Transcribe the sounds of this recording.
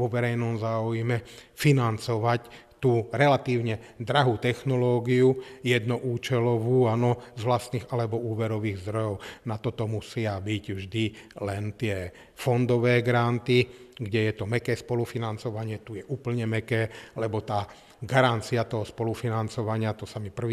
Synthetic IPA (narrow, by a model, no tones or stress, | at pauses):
ʋɔʋɛɾɛjnɔmzaːujmɛ | finant͡sɔʋac | t̪uːɾɛlat̪iːʊɲɛ | d̪ɾaɦuːt̪ɛxnɔlɔːɡiujɛd̪nɔʔuːt͡ʃɛlɔʋuːanɔzʋlast̪niːɣalɛbɔuːʋɛɾɔʋiːɣzd̪ɾɔjɔʊnat̪ɔt̪ɔmusɪabicvʒd̪ilɛnt̪ɪɛ | fɔnd̪ɔʋɛːɡɾant̪iɡɟɛjɛt̪ɔmɛkɛːspɔlufinant͡sɔʋaɲɪɛt̪ujɛʔuːpl̩ɲɛmɛkɛːlɛbɔt̪aː | ɡaɾant͡siat̪ɔɦɔspɔlufinant͡sɔʋaɲɪat̪ɔsamipr̩ʋi